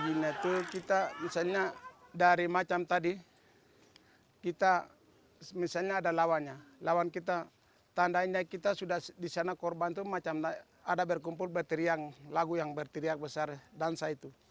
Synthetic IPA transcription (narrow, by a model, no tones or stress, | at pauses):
ɡinat̪ukit̪amisalɲadaɾimat͡ʃamt̪adi | kit̪a | misalɲaːdalawanɲalawankit̪a | t̪andaiɲakit̪asudahdisanakɔrbant̪umat͡ʃam | adabərkumpulbɛrt̪iɾiaŋlaɡujaŋbərt̪iɾiak̚bəsardansait̪u